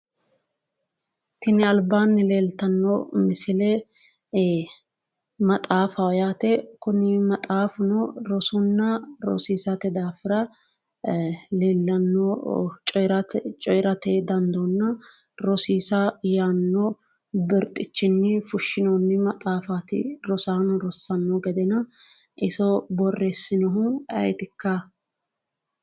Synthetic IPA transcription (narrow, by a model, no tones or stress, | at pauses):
t̪ɪnɪɐlbaːnːɪleːlt̪ɐnːoːmɪsɪlɛ | mɐt̪ʼaːfɐɔjaːt̪ɛkʊnɪmɐt̪ʼaːfʊnoɾɔsʊnːɐɾɔ̰siːsɐt̪ɛd̪aːfɪɾɐ | leːlːɐnːot͡ʃʼɔɾɐt͡ʃʼɔjɾɐt̪ed̪ɐnd̪ɔnːɐ | ɾɔsiːsɐjaːnːɔ | bɪɾt̪ʼɪt͡ʃːɪnːɪfʊʃːɪnoːnːɪmɐt̪ʼaːfat̪ɪ̰ɾɔsaːnʊɾɔsːɐnːɔɡɛd̪ɛnɐ | ʔɪsɔbɔrːesːɪnɔɦʊɐ̰jt̪ɪkːɐ